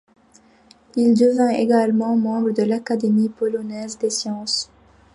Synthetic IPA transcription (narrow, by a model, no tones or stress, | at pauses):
ild̪əvɛ̃ḛɡalmɑ̃mɑ̃bʁəd̪əlakad̪emipɔlɔnɛzd̪esjɑ̃s